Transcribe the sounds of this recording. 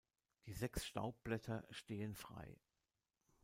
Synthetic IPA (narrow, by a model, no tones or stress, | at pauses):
d̥iːzɛksʃta̰ʊp̚b̥lɛtʰɐʃteːənfʁ̥a̰ɪ